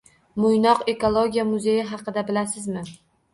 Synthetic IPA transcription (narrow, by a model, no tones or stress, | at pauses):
mʊjnɒqe̞kolˠoɡʲijamʊze̞jɪɦɑqɨd̪abɪlasɪzmɪ